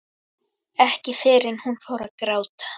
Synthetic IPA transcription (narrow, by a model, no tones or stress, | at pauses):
ɛhcɪfɪɾɪnhunfaːwɾaðkɾaːwt̪ḁ